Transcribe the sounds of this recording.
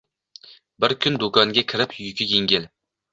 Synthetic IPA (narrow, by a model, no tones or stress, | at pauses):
bɪɾkʲʰʊnd̪okɒŋɡʲakʲʰɪɾɪpjʊkʲʰɪjeŋɡʲɪl